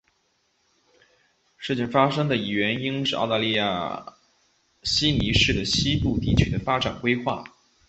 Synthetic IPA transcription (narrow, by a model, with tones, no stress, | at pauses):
ʂɻ̩˥˧t͡ɕʰi˥˩ŋfa˥ʂɤ˥ŋd̪ə˨i˨˩ɥɛ˧˥ni˥ŋʂɻ̩˥˧ʔɑ̰˥˧ʊt̪a˥˧li˥˧ja̰˥˩ | ɕi˥ni˧˥ʂɻ̩˥˩d̪ə˩ɕi˥pu˥˧˩t̪i˥˩t͡ɕʰy˨˩d̪ə˦fa˥ʈ͡ʂa˨˩nkwe˥ɪxwa̰˥˩